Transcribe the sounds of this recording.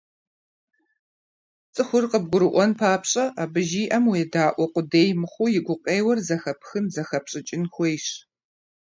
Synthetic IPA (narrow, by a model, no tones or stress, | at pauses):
t͡sʼɨxʷʊrqʼəb̚ɡʷʊɾɨʔʷɔnpʰaːpɕʼɐʔabɨʒiːʔɐmwedaːʔʷɔqʷʼʊdeːjmɨχʷʊjɪɡʷʊqʼeːjwɐrzɐxɐpxɨnzɐxɐpɕʼɪt͡ʃʼɪnxʷejɕ